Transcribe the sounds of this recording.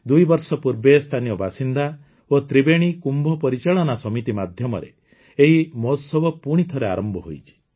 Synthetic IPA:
d̪ujbɔɾsɔpuɾbest̪ʰanijɔbʱasind̪a | ot̪ɾibeɽ̃ikumbʱɔpɔɾit͡ʃaɭɔnasɔmit̪imad̪ʱjɔmɔ̰ɾḛ | eɦimɔsɔbɔpuɽ̃it̪ʰɔɾea̰ɾɔmbʱɔɦo̰jt͡ʃʰi̥

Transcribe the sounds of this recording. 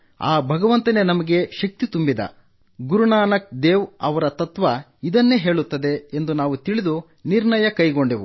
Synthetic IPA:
a̰ːbʱɐɡɐʋɐnt̪ɐne̞nɐmɐɡe̞ʃɐk̚t̪it̪umbid̪ɐ̰ | ɡuɾuɳaːnɐk̚d̪eːʋɐʋɐɾɐt̪ɐt̪ʋɐ | id̪ɐnːe̞ɦe̞ːɭut̪ːɐd̪e̞ːnd̪unaːʋut̪iɭid̪u | niɾɳɐjɐkɐjɡoɳɖeʋu

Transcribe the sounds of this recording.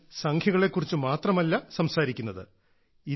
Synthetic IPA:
sɐŋkʰjɐɣɐɭe̞kːurit͡ɕːɨmaːt̪rɐmɐlːɐsɐmsaːɾikʲːunːɐðɨ̰ | i

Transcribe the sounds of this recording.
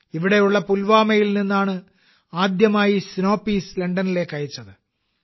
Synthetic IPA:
iʋiɽe̞juɭːɐpulʋaːmɐjilninːaːɳɨ | aːd̪jɐmaːjisno̞ːpːiːsleɳɖɐnile̞ːkːɐjit͡ɕːɐðɨ

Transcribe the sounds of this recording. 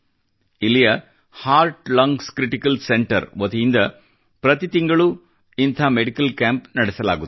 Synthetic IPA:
ɪlijɐ | haːɾʈlɐŋɡskɾɪʈɪkːɐlsɛɳʈɐɾʋɐt̪ɐjɪnd̪ɐ | pɾɐt̪it̪ɪŋɡɐɭu | ɪnt̪ʰaːmɛɽɪkːɐlkaːmpnɐɽɛsɐla̰ːɣu

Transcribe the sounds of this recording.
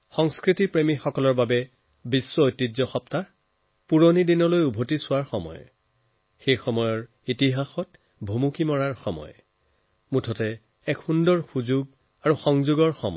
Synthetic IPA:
xɔŋskɹitipɹemixɔkɔlɔɹbabɛ | bisːɔojtːizɔxɔpta | puɹonidinɔlojubʱotisʊwaɹxɔmɔ̰j | xejxɔmɔjɔɹ | itiɦaxɔt | bʱomukimɔɹaɹxɔmɔ̰j | mutʰɔtɛ | ɛkhundɔɹxuzuɡ | aɹuxɔŋzuɡɔɹxɔmɔ̰

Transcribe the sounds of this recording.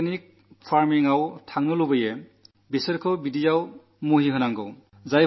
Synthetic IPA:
nik̚ | pʰaɾmiŋawtʰaŋnɯlubɯje | bisəɾkʰɯbidijaw | muɦiɦɯnaŋɡɯ̰w | zaj

